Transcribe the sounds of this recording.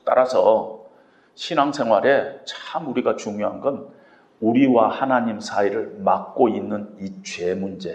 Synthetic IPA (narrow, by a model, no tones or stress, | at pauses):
t͈a̰ɾasʰʌ | ɕʰinaŋsʰe̞ŋwaɾe̞t͡ɕʰmuɾiɡat͡ɕuŋjoɦanɡʌn | uɾiwahanaɲimsʰaiɾɯɭmak̚k͈oinːɯnit͡ɕwe̞mund͡ʑe̞